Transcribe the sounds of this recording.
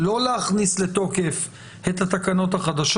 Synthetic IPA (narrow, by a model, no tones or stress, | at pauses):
lo̞leaχnislet̪o̞ke̞f | et̪hat̪akano̞t̪haχad̪aʃ